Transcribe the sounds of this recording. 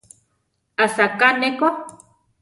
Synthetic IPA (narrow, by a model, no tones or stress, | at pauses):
asakaneka